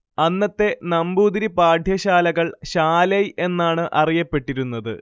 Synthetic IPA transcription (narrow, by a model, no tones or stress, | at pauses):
ɐnːɐt̪ːe̞nɐmbuːd̪iɾipaːɖʱjɐɕaːlɐɣɐɭɕaːlɐje̞nːaːɳɨʔɐrijɐpːe̞ʈːiɾunːɐðɨ̰